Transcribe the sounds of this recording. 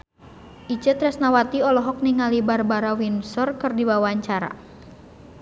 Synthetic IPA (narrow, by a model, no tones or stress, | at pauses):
ʔit͡ʃət̪ɾɛsnawat̪iɔlɔɦɔk̚niŋalibarbaɾawinsɔrkɨrdiwawaɲt͡ʃaɾa̰